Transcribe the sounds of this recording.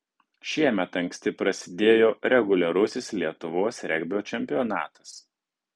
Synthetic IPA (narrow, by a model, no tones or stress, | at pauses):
ʃʲiɛmʲɛt̪ɐŋksʲt̪ʲɪpɾɐsʲɪd̪ʲeːjoːɾʲɛɡʊlʲɛɾʊsʲɪslʲiɛt̪ʊʋoːsɾʲɛɡʲbʲoːt͡ʃʲɛmʲpʲɪɔnɑ̰ːt̪ɐ̥s